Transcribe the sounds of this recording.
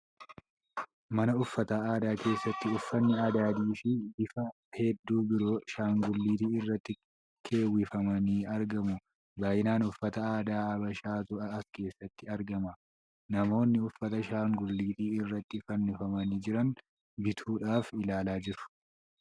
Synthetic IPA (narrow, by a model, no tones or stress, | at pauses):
mɐnɐʊfːɐt̪aːaːd̪aːke̞ːsːɐt̪ːɪʊfːɐnːɪaːd̪aːd̪iːʃiɡɪfɐ | hɛd̪ːuːbɪɾo̞ːʃaːŋɡʊlːiːt̪iːɪrːɐt̪ːɪ | kʰe̞ːwːɪfɐmɐniːɐɾɡɐmʊ | baːjɪnaːnʊfːɐt̪ɐaːd̪aːɐbɐʃaːt̪ʊɐɐske̞ːsːɐt̪ːɪɐɾɡɐmɐ | nɐmo̞ːnːɪʊfːɐt̪ɐʃaːŋɡʊlːiːt̪iːɪrːɐt̪ːɪfɐnːɪfɐmɐniːd͡ʒɪɾɐn | bɪt̪ʰuːᶑaːfɪlaːlaːd͡ʒɪɾʊ̥